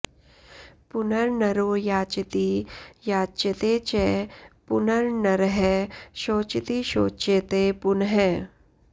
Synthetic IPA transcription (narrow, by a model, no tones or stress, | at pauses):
pʊnəɾnɐɾoːjaːt͡ʃɪt̪ijaːt͡ʃət̪eːt͡ʃɛpʊnəɾnɐɾɦɛʃoːt͡ʃɪt̪iʃoːt͡ʃet̪eːpʊnɦɛː